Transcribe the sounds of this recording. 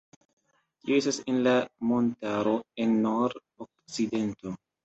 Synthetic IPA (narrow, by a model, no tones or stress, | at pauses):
tioe̞stasenlamo̞ntaɾo̞enːoɾ | ok̚t͡side̞nto̞